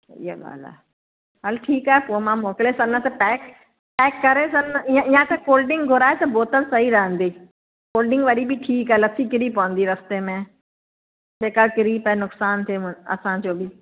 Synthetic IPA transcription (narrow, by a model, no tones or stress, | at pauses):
ḭːa̰ɠa̰ːla̰ɦ | ɦəlʈʰiːkaːɦepoːmãmoːkɪlesɐ̃nnət̪ɐpɛːk | pɛːkːɐɾesɐ̃nniãijãk̪ʰãkoːlɖɪ̃ŋɡɡʱʊɾaːet̪ɐboːt̪əlsɐɦiɾɐɦə̃n̆d̪iː | koːlɖɪ̃ŋɡʋɐɗibɪʈʰiːkaːɦelɐsʰikɪɾipɐʋə̃nd̪iɾɐst̪emẽ | d͡ʒeːkakɪɾiːpɐɦenʊksaːnt̪ʰeʊɐ̰sãd͡ʑoːbɪ